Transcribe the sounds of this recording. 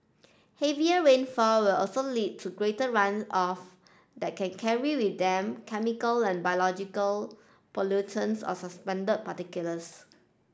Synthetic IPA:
heviəɹẽnfɔwilʔɔlsolid̚tʰuɡɹetəɹãnsɔf | dɛt̚kʰɛ̃nkʰɛɹiwidɛ̃mkʰɛmikəlɛ̃nbajolɔd͡ʒikəl | pɔlutʰə̃nsɔ̰səspɛ̃ndəd̚patikjuləs

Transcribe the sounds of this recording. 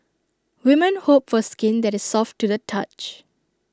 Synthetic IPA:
wimə̃nhop̚fɔskĩndɛtɪsːɔftːudətʰat͡ʃ

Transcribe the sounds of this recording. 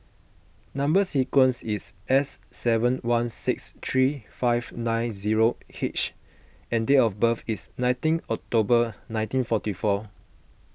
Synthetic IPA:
nãmbəsikwə̃nsisɛsːɛvə̃nwãnsikst̪ʰɹifaɪv̥nãɪnziɹohit͡ʃ | ɛ̃ndeɔfbəfisnãj̃tĩnɔk̚tobənãɪ̃ntĩnfɔtifɔ

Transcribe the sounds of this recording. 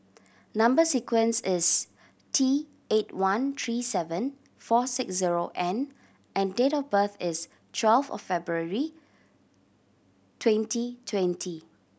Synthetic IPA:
nãmbəsikwə̃nsɪs | tʰi | etwãnt̪ʰɹisɛvə̃n | fɔsɪksziɹoʔɛ̃n | ʔɛ̃ndetɔfbəθɪs | tʰwɛlfɔ̰ffɛbɹuəɹi | tʰwɛ̃ntʰitʰwɛ̃ntʰi

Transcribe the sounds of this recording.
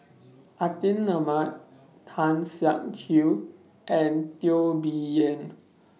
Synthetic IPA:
ʔat̪inːamat̚ | tʰãnsjaŋkʰu | ʔɛ̃ntiobiɛ̃n

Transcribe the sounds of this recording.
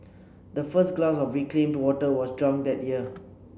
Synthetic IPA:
d̪əfəsɡlasɔfɹiklẽmdwɔtəwɔsdɹãŋdɛt̚jiə

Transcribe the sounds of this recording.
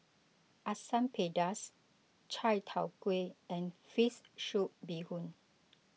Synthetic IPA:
ʔasãmpʰedas | t͡ʃʰajtʰawkweɛ̃nfisʃuʔ̚bihũn

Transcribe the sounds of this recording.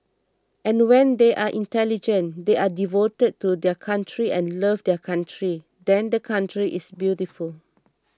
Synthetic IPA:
ʔɛ̃nwɛ̃ndeʔaʔĩntɛlid͡ʒə̃ndeadivotəd̚tudɛkʰãntɹiʔɛ̃nləvdɛkʰãntʰɹi | dɛ̃ndəkʰãntɹiʔisbjutiful

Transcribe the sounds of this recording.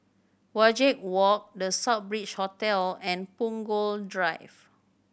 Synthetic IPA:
wad͡ʒɛk̚wɔk̚dəsap̚bɹit͡ʃhɔtɛlɛ̃npũŋɡoldɹaɪf

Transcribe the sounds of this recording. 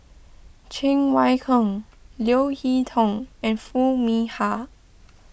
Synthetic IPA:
t͡ʃʰɪ̃ŋwajkʰəŋ | ljoʊhit̪ʰɔ̃ŋɛ̃nfumiha

